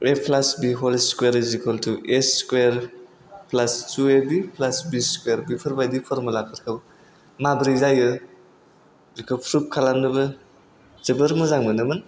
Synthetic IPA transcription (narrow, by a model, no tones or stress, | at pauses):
epʰlasbiɦɔlskweɾzikʰɔltʰueskweɾ | pʰlast͡ʃuebipʰlasbiskweɾbipʰɯɾbajdipʰɔɾmɯlakʰɯɾkʰab | mabɾizajɯ | zikʰɯpʰɾup̚kʰalamnɯbɯ | z̥ɯbɯɾmɯzaŋmɯnɯbɯn